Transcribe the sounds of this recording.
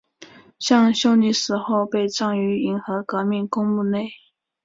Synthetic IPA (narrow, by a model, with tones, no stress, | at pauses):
ɕjɑ˥˧ŋɕjo˥ʊni˧˥ʂɻ̩˧˥xo˥˧ʊpe˥˧ɪʈ͡ʂɑ˥˩ŋy˧˥i˧˥ŋxɤ˧˥kɤ˧˥mi˥˩ŋkʊ˥ŋu˥˧ne˥˩ɪ